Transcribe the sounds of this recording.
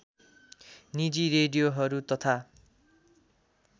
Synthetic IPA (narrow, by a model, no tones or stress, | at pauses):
nid͡ziɾeɖijoɦʌɾut̪ʌt̪ʰa